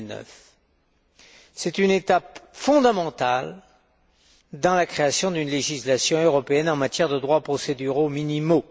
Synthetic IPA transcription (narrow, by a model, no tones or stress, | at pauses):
nœ̰f | sɛt̪ynet̪apfɔ̃d̪amɑ̃t̪al | d̪ɑ̃lakχeasjɔ̃d̪ynleʒislasjɔ̃øʁɔpeɛnɑ̃mat̪jɛʁd̪əd̪ʁwapχɔsed̪yʁominimo